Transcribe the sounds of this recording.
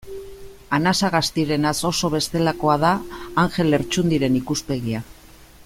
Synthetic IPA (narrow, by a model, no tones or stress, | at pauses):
anasaɣast̪iɾe̞naso̞so̞β̞e̞st̪e̞lako̞að̞aːŋxe̞le̞ɾt͡ʃund̪iɾe̞nikuspe̞ɣia